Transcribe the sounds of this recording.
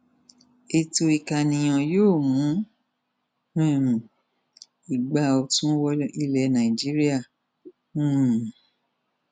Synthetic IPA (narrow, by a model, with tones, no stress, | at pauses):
e˧to˧i˨ka˨nĩ˨j̃ɔ̃˨joː˦˨mũ˨˦ | nũ˦e˦˨mũ˨ | i˨ɡ͡ba˦ɔ˧tũ˦wɔ˦i˦lɛ˧˨nã˨ĩ˨d͡ʒi˦ɾi˦a˦˨ | nũ˦˨